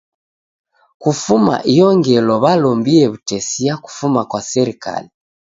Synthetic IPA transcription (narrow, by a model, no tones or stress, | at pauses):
kufuma̰ʔijɔŋɡɛlɔβalɔmbiɛβutɛsijaku̥fumakwasɛɾika̰li